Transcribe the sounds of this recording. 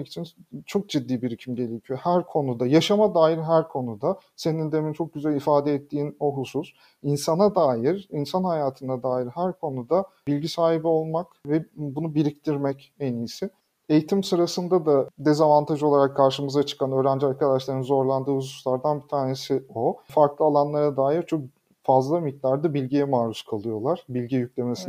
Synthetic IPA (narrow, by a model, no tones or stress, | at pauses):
kʰi̥t͡ʃʰint͡ʃʰo̞k̚d͡ʒid̪ːiːbiɾicʰimɟe̞lʲecʰijo̞hæɾkʰo̞nud̪ajaʃamad̪aːjiɾɦæɾkʰo̞nud̪a | se̞nind̪emint͡ʃʰo̞k̚ɟyzælʲifaːd̪ɛɛt̪ʰːiːno̞ɦusus | insanad̪aːjiɾinsanhajaːt̪ʰɯnad̪aːjiɾɦæɾkʰo̞nud̪a | bilʲɟisaːhibio̞lˠmakvɛbunubiɾict̪ʰiɾmɛc | enijsɪ | e̞jit̪ʰimsɯɾasɯnd̪ad̪ad̪ezavant̪ʰaʒɯo̞lˠaɾakʰːaɾʃɯmɯzat͡ʃʰɯ̥kʰanø̞ːɾænd͡ʒiaɾkad̪aʃlˠaɾɯnzo̞ɾlˠand̪ɯːhusu̥slˠaɾd̪anbit̪ʰaːne̞sio̞faɾklˠɯalˠanlˠaɾad̪aːjiɾt͡ʃʰo̞k̚ | fazlˠamic̚t̪aɾd̪abilʲɟijɛmaːɾuskʰalˠɯjo̞lˠaɾ̥bilʲɟijycʲlʲe̞mesin